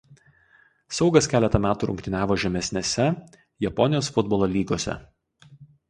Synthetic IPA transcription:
sɒʊɡɐskʲæːlʲɛt̪ɐmʲæːt̪uːɾʊ̰ŋkt̪ʲɪnʲæːʋoːʒʲɛmʲɛsʲnʲesʲɛ | jɛpɔnʲɪjoːsfʊd̪bɔːlˠoːlʲiːɡoːsʲɛ̰

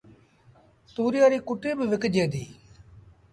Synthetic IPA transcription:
suːɾɪjaːɾiːkʊʈiːbɪʋɪkd͡ʒeːd̪iː

